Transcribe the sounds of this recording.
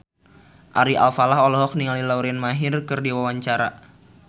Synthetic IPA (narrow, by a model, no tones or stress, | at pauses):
ʔaɾia̰lfalaɦɔlɔɦɔk̚niŋalilauɾɛnmaɦɪrkɨrdiwawaɲt͡ʃaɾa̰